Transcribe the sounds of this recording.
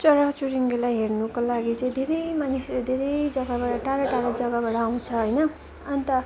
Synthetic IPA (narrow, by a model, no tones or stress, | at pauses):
t͡sʌɾat͡suɾiŋɡelajɦernukolaɡit͡sʌĩd̪ʱeɾʌjmanisrod̪ʱeɾʌjd͡zʌɡabaɽʌʈaɾaʈaɾʌd͡zʌɡabaɽʌaw̃t͡sʰʌɦʌjnʌ | ʌnit̪ʌ